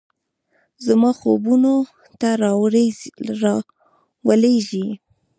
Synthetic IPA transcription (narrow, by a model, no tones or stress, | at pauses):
zamɑxo̰buno | t̪aɾɑ | ɾ | wəleʒi